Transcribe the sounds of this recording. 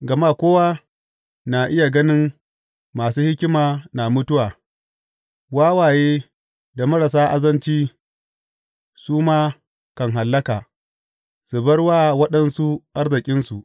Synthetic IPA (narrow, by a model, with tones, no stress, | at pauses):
ɡɐ˨maː˦kʷoː˦waː˦ | na˨ʔɪ˦ja˨ɡɐ˦nɪ˦ŋ | maː˨suː˦hɪ˦kʲɪ˦maː˨na˨mʊ˦tʊ˦waː˨ | waː˦waː˨jeː˦ | da˨mɐ˦ɾa˨s̬aː˦ʔa˨zɐ˦nt͡ʃiː˦ | suː˦maː˦ | kɐ˨ŋɦa˨lːɐ˦kaː˨ | su˨bɐ˦ɽwaː˦wɐ˦ɗɐ˦nsu˦ʔa˦rzɪ˨kʲʼɪ˦nsu˨ʔ